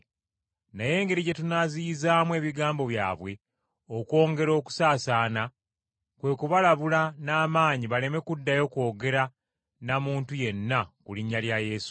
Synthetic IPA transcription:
naje̞ːŋɡe̞ɾiɟetunaziizaːmwe̞ːβiɡaːmbo̞βja̰ːβwe̞ | okwo̞ːŋɡe̞ɾo̞ːku̥saːsaːna | kwe̞ːkuβalaβulanaːmaːɲiβale̞me̞kudːajo̞ko̞ːɡe̞ɾa | namuːntuje̞nːakuliɲːaljaje̞ːsu̥

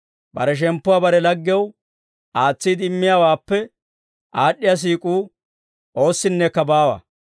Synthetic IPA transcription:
bɐ̰ɾɛʃ̬ɛmpːʊwaːbɐɾɛlɐɡːɪjɐw | ʔaːt͡sːiːd̪ɪmːɪjaːwaːpːɛ | ʔaːɗːɪjas̬iːkʼuː | ʔo̞ːsːɪnːɛkːɐbaːwa̰

